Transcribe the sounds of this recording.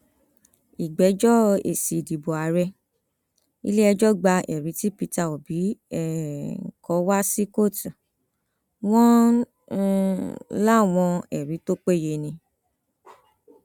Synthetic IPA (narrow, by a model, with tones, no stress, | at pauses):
i˨ɡ͡bɛ˨˦d͡ʒɔ˦ḛ˨si˨di˨bɔ˨a˨˦ɾɛ˦ | ḭ˧le˦ɛ˧d͡ʒɔ˦ɡ͡ba˧ʔɛ̰˨ɾi˨˦ti˦pi˧ta˦˨o˨bi˨˦ɛ˦˨kɔ˨˦wa˦si˦ko˦˨tu˨ | w̃ɔ̃˦˧ | la˦˨w̃ɔ̃˧ɛ̰˨ɾi˨˦to˦k͡pe˦˨je˧nĩ˧